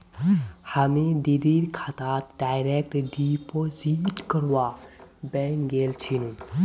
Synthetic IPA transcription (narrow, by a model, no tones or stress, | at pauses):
həmid̪id̪iɾkʰat̪aːt̪̚ɖaːjɾek̚ʈɖipoːziʈkəɾwabɛːŋɡeːlt͡ʃʰinũ